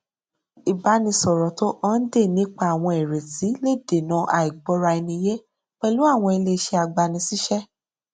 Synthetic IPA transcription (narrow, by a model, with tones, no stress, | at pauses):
i˨ba˨˦nĩ˧sɔ˨ɾɔ˨to˦ʔɔ˦n̩˦de˦˨nĩ˨˦k͡pa˦a˨w̃ɔ̃˧e˨ɾe˨ti˨˦le˦˨de˨nã˨˦ʔa˨i˨ɡ͡bɔ˨˧ɾa˧e˧nĩ˧je˦ | k͡pɛ˦˧lu˦a˦˨w̃ɔ̃˧e˧le˧ʃe˧a˧ɡ͡ba˧nĩ˧si˦ʃɛ˦